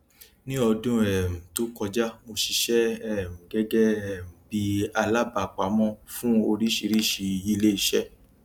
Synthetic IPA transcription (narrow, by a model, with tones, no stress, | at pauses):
nĩ˦ɔ˧dũ˦ɛ˦˨m̩̃˨to˨˦kɔ˧d͡ʒa˦mo˧ʃi˧ʃɛ˦ɛ˦˨mũ˨ɡɛ˦ɡɛ˦ɛ˦˨m̩̃˨bi˧a˧la˦ba˨k͡pa˨˦mɔ̃˧fũ˦o˧ɾi˦ʃi˧ɾi˦˨ʃi˧i˧le˦i˦˧ʃɛ˦